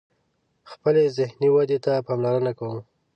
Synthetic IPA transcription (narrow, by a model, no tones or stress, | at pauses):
xpəlezɪhniwad̪et̪apɑmlaɾənakawum